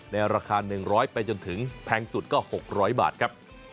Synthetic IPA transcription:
nɛː˧wɾaː˧kʰaː˧nɯ˨˩ŋɾɔː˦˥jpa˧jt͡ɕo˧nt̪ʰɯ˩˦ŋpʰɛː˧ŋsu˨˩t̪̚kɔː˥˩ho˨˩k̚ɾɔː˦˥jba̰ː˨˩t̪̚kʰɾa˦˥p̚

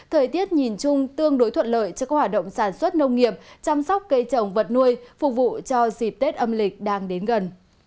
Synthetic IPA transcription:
t̪ʰəː˨˩jt̪i˦˥ət̚ɲi˨˩nt͡ɕʊ˧ŋ͡mt̪ɨ˧əŋɗo˨˦jt̪ʰwə̰˧˨nlə̰ː˧˨jt͡ɕɔ˧kaː˦˥k̚hwaː˨˩t̚ɗə̰˧˨wŋ͡msaː˧˩nswə˦˥t̚nə˧wŋ͡mŋi˨˩əp̚t͡ɕa˧msa˦˥k͡p̚kə˧jt͡ɕə˨˩wŋ͡mvə˨˩t̚nu˧əjfʊ˨˩k͡p̚vṵ˧˨t͡ɕɔ˧zi˨˩p̚t̪e˦˥t̚ʔə˧mlï˨˩k̟̚ɗaː˧ŋɗe˨˦nɣə˨˩n

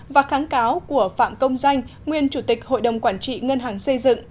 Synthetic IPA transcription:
vaː˨˩xaː˨˦ŋkaː˨˦wku˧˩əfa̰ː˧˨mkə˧wŋ͡mza˧jŋ̟ŋwi˨˩ənt͡ɕu˧˩t̪ï˨˩k̚ho̰˧˨jɗə˨˩wŋ͡mkwaː˧˩nt͡ɕḭ˧˨ŋə˧nɦaː˨˩ŋsə˧jzɨ̰˧˨ŋ

